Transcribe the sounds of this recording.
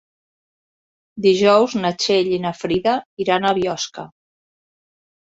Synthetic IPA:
d̪iʒɔwznət͡ʃeʎinafɾiðəiɾanaβjɔskə

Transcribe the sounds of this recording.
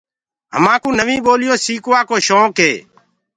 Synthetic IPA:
ɦə̰mãːkũːnəʋĩːɓoːlɪjoːsiːkoːaːkoːʃõːkɦeː

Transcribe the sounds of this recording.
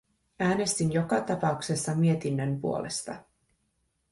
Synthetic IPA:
æːne̞st̪injo̞kɑt̪ɑpɑukse̞sːɑmie̞t̪inːømpuolʔe̞̰st̪ɑ̰

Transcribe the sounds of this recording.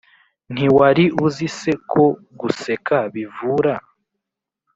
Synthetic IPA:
n̥iwaɾiʔuzise̞kʰo̞ | ɡuse̞kaβivuɾa

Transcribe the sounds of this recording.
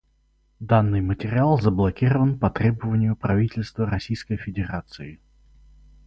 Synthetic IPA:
d̪anːɨjmətʲɪɾʲɪalˠzəblˠɐkʲiɾəvənpɐt̪ɾʲebəvənʲɪjʊpɾɐvʲitʲɪlʲst̪vəɾɐsʲijskəjfʲɪdʲɪɾat̪sɨɪ

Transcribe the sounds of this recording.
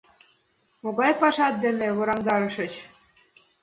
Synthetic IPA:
moɣɑjpɑʃɑt̪̚d̪eneβŏɾɑmd̪ɑɾɤ̆ʃɤ̆t͡ɕ

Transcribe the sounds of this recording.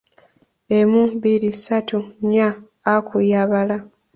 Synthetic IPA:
emubiɾisatuɲaː | kujaβala

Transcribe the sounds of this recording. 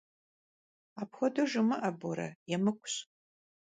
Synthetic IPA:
aːpxʷɔdɐʒɨmɨʔɐbɔɾɐ̰jɛmɨkʷʰʼʊ̥ɕ

